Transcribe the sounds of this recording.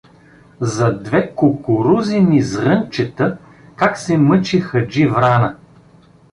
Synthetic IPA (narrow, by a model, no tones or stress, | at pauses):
zɐd̪vɛkokʊɾuzinizɾɤnt͡ʃɛt̪ə | kaksɛmɤt͡ʃixɐd͡ʒivɾanɐ